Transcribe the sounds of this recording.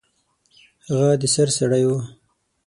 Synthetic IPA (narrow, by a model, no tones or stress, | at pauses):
haɣad̪əsaɾsaɽajwu